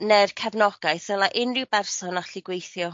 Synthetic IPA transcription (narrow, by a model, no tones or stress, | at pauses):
nɛrkʰɛvnɔɡ̥ajθɛlˠaʔɪnrɪwbɛrsɔnaɬɪɡwejθjɔ